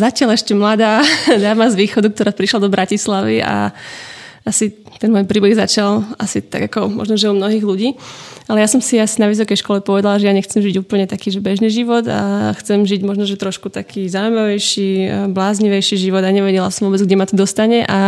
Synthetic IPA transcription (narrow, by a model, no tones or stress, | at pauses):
zacɪalɛʃcɛmlad̪aːd̪aːmazʋiːxɔd̪uk̚t̪ɔɾaːpɾiʃlad̪ɔbɾacislaʋia̰ | asi | t̪ɛnmɔːjpɾiːbɛɣzat͡ʃala̰sit̪a̰ɡakɔmɔ̰ʒnɔʒɛumnɔɦiːɣluɟiːalɛjasɔmsiasinaʋis̬ɔkɛjʃkɔlɛpɔʋɛd̪alaʒɛjaɲɛxt͡sɛmʒiɟuːpl̩ɲɛt̪akiːʒɛbɛʒniːʒiʋɔd̪a̰xt͡sɛmʒiɟmɔʒnɔʒɛt̪ɾɔʃkut̪akʰiːzaːujmaʋɛjʃiblaːzɲiʋɛjʃiʒiʋɔd̪aɲɛʋɛɟɛlasɔmʋɔːbɛd͡zɡɟɛmat̪ɔd̪ɔst̪aɲɛʔa